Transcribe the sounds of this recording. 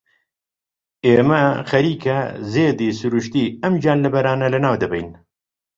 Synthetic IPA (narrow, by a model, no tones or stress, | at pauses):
eːmɐxɐɾiːkʰɐzeːd̪iːsuɾuʃt̪iːɐmd͡ʒaːnlɨbɐɾaːnɐlɨnaːwd̪ɐbɛ̰jn